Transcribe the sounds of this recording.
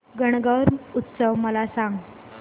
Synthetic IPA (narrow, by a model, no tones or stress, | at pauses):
ɡəɳ̃ɡəɾut̪ːsəʋməlasãŋɡ